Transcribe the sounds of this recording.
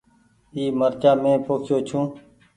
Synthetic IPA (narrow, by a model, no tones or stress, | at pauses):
iːməɾt͡ʃaːmẽːpoːkʰjoːt͡ʃʰũː